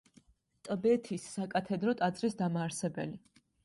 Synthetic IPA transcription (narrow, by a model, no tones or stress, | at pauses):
t̪ʼbɛt̪ʰisːakʼat̪ʰɛd̪ɾɔt̪ʼad̪zʼɾisd̪amaːɾsɛbɛ̰li